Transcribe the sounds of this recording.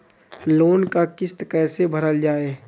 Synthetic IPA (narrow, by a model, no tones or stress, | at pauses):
loːnkakɪst̪kɛːsebʱəɾəld͡ʒaːeː